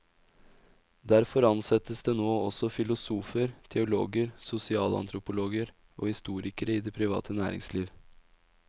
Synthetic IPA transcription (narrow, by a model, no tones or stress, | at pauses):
d̪æɾfɔɾɑnsɛt̪əsd̪eːnoːɔsɔfɪlʊsuːfəɾt̪ʰɛʊlo̰ːɡəɾsʊsɪɑːlɑ̰nt̪ʰɾʊpʊloːɡəɾ | ʔo̰ːhɪst̪uːɾɪkəɾəiːd̪ɛːpʰɾɪʋɑ̰ːt̪ʰənæ̰ːɾɪ̰ŋsliːʋ